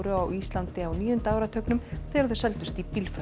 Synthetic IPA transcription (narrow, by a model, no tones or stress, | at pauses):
ɾʏawist̪lant̪ɪawniːjʏnt̪aːwɾat̪ʰœɥknʏmθɛːaɾðʏsɛlt̪ʏst̪ipilfa